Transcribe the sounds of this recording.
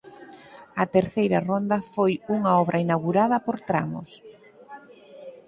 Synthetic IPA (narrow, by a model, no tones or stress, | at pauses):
ɐt̪eɾθejɾɐrond̪ɐfojuŋɐɔβɾʔɐinawɣuɾaðɐpoɾt̪ɾa̰mʊ̰s